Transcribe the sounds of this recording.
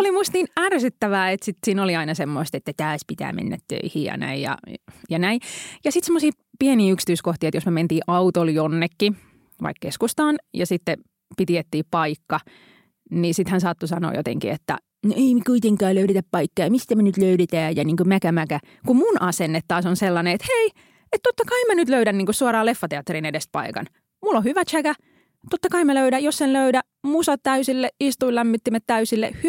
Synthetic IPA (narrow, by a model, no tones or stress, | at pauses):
olimust̪ninærsyt̪ːæʋæːet̪sit̪siːnoliɑinɑsemːoist̪et̪ːæt̪æːspit̪æ̰ːmʔḛnːæ̰t̪t̪ø̰ihiːjɑ̰næ̰ijjɑ̰jɑnæijɑsit̪semːosiː | pieniːyksi̥t̪yiskoht̪iːet̪josmement̪iːʔɑut̪oljonːekːi | ʋɑ̰ikkeskust̪ɑːnjɑsit̪ːe | pit̪iet̪ːiːpɑikːɑ | nisit̪hænsɑt̪ːusɑno̰jo̰t̪ḛŋkḭet̪ːæ̰ | neimikuit̪eŋkɑːløyɾet̪æppɑikːejjmist̪æmenyt̪løyɾet̪æːjɑniːŋkømækæmækæ | kumunʔɑsenːet̪t̪ɑːsonselːɑneet̪hei | et̪t̪ot̪ːɑkɑimænyt̪løyɾænniːŋkusuɑɾɑːlefːɑt̪eɑt̪ːeɾinedespɑ̰ikɑ̰n | mulːohyʋæt͡ʃʰækæ | t̪ot̪ːɑkɑimæløyɾæjossenløydæ | musɑt̪t̪æysilːeist̪uilæmːit̪ːimæt̪t̪æysilːḛhy